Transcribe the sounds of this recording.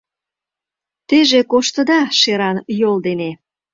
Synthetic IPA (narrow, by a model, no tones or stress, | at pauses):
t̪eʒekoʃt̪ə̆d̪ɑʃeɾɑnjold̪ene